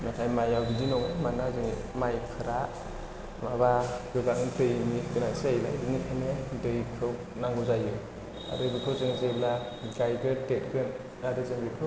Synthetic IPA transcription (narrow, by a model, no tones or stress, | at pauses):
nakʰajmajawbidinɔŋɯmanazɯŋi | majkʰɯɾa | maβaɡɯɡaŋtɯjniɡɯnasajla̰jbɯŋikʰanedɯjkʰɯ | naŋɡɯzajɯ | a̰ɾɯɡɯkʰɯzɯŋizajbla | ɡajɡɯdet̚ɡɯn | adɯzɯŋbɯtʰɯ